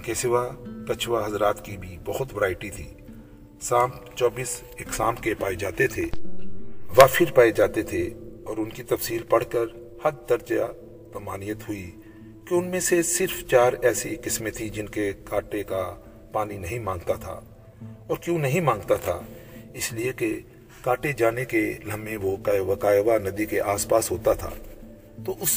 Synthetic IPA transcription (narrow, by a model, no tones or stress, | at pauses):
keːsɪʋakɐt͡ʃʰʋaɦɐzɾaːt̪kibʱibɐhʊt̪ʋɐɾaːɪʈit̪ʰḭː | sãːmpt͡ʃɔːbiːs | eːksãːmkepaːed͡ʒaːt̪et̪ʰe | ʋapʰɪɾpaːed͡ʒaːt̪et̪ʰeɔːɾʊnkit̪ɐfsiːlpɐɽ̤kəɾ | hɐɾd̪ɐɾd͡ʒa | pɐmaːnijət̪ɦʊi | keʊnmẽsesɪɾft͡ʃaːɾɛːsikɪsmet̪ʰid͡ʒɪnkekaːʈeka | paːninɐɦĩmãːŋɡt̪at̪ʰa̰ː | ɔːɾkjõːnɐɦĩmãːŋɡt̪at̪ʰa̰ɪslieke | kaːʈed͡ʒaːnekelɐmẽʋokaːʋakaːjʋanɐd̪ikeʔaːspaːsɦoːt̪at̪ʰa̰ː | t̪oːʔʊs